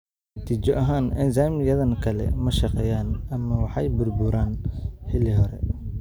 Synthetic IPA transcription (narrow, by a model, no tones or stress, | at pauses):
t̪ʰit͡ʃɔʔɐɦaːnɛnsaːmjɐðɐnkʰɐlɛ̰mɐʃɐqɛːjaːnɐmːɐwɑħɑjbʊrbuːɾaːnħɪliɦɔɾɛ̰